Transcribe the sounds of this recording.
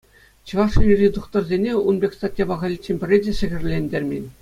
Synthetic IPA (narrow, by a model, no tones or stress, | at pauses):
t͡ɕɤ̆ʋɑʂɤnʲirʲid̪uχt̪ɤ̆rzʲenʲeunbʲekʲst̪ɑtʲjɑbɑʁɑlʲit͡ɕːenʲbʲɘ̆rʲedʲeʂɘ̆ɣʲɘ̆rʲlʲenʲdʲerʲmʲenʲ